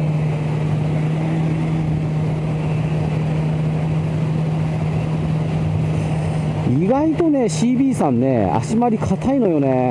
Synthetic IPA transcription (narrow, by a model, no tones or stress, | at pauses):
iɡait̪o̞ne̞ɕiːbʲiːsãnːḛa̰ɕimaɾʲikʰat̪ʰaino̞jo̞ne